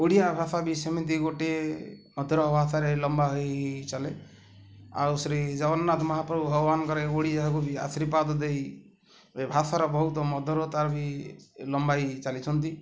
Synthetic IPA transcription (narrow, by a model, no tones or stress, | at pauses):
oɽijabʱasabisemit̪iɡoʈeemɔd̪ʱɔɾɔbʱasaɾelɔmbaɦɔjt͡ʃale | a̰wsɾed͡ʒabɔnnat̪ʰɔmɔɦapɾɔuɦɔbɔbankɔɾeoɽid͡ʒaɦakubia̰sɾipad̪ɔd̪ej | ebʱasaɾɔbɔɦut̪ɔmɔd̪ʱɔɾɔt̪aɾbilɔmbajt͡ʃalit͡ʃʰɔnt̪i